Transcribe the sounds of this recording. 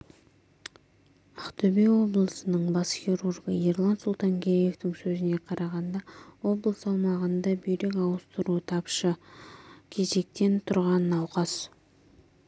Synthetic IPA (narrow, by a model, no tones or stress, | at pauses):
ɑχt̪ɵbejwo̞blˠəsənəɴbɑsxʲiɾurɡəirlˠɑnsulˠt̪ɑŋɡʲeje̞ft̪ɪŋsɵzɪne̞qʰɑɾʔɑʁɑnd̪ɑwo̞blˠəsɑlˠmɑʁənd̪ɑbɵjɾe̞kʲɑwəst̪əɾuət̪ʰɑpʃə | kʲʰe̞ze̞k̚t̪e̞nt̪ʰʊɾʁɑnːɑwqɑs